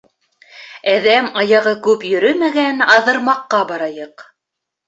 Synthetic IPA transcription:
æðæmɑjɑʁɤkʉpjɵ̆ɾɵmæɡænɑðɤ̆ɾmɑqːɑbɑɾɑjɤq

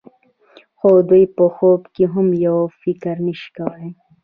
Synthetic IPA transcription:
xod̪ujpəxobkiɦʊmjawfikɾniʃkawa

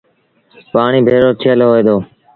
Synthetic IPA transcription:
paːɳiːbʱeːɾoːt͡ʃʰeəlɦoːeːd̪oː

